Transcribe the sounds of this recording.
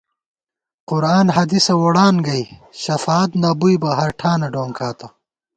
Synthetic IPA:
qʊɾaːnhɐd̪isɐwɐɽaːnɡɐjɕɐfaːt̪naːbujbɐɦɐɾʈʰaːnɐɖoːŋkʰaːt̪ɐ

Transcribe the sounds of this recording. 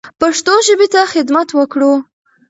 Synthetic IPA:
paʂt̪oʒəbet̪axɪd̪mat̪wəkɽu

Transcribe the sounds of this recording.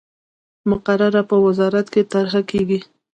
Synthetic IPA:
mʊqaɾaɾapəwɪzɑɾat̪ket̪aɾɦakeɡi

